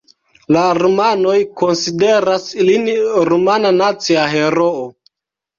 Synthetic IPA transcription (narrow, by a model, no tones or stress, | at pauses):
laɾomano̞jko̞nside̞ɾasilinɾumananat͡siaɦe̞ɾoo